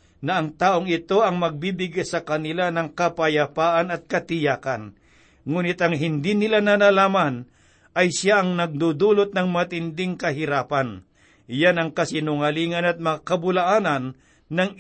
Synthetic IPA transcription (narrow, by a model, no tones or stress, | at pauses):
nɐɐŋt̪aːʔoŋɪt̪o̞ʔɐŋmɐɡ̚bibɪɡasɐkɐnɪlanɐŋkɐpɐjapaːʔanɐt̪̚kɐt̪ɪjaːkan | ŋuːnɪt̪ɐŋɦɪnd̪inɪlananalaːman | ʔɐjʃjaʔɐŋnɐɡ̚d̪ud̪uːlʊt̪̚nɐŋmɐt̪ɪnd̪ɪŋkɐɦɪɾaːpan | ɪjanɐŋkɐsɪnʊŋɐliːŋɐnɐt̪̚mɐŋakɐbʊlaʔaːnɐnː | ɐŋ